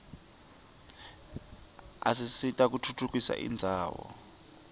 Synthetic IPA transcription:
a̰sisitʼak̬utʰutʰuk̬ʼisa̰ʔḭnd͡zʱaːwɔ̰

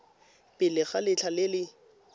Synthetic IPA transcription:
pʼɪlɪχalɪt͡ɬʰalɪlɪ

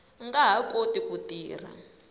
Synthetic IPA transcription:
ŋɡaɦakotikutiːr̤a̰

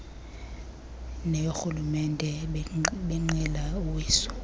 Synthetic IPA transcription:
nɛjoxulumɛndʱʼɛ | ɓiŋ͡ǀilauwiːsɔ̥

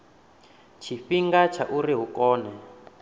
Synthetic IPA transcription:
t͡ʃʰiɸiŋɡat͡ʃʰaʔuriɦukɔːnɛ

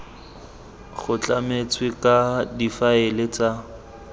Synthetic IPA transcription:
χʊt͡ɬʼamet͡sʰʼwɪkʼadifaelet͡sʼa

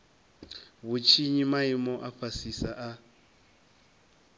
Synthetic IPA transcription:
βut͡ʃʰiɲimaimɔʔafasisaʔa

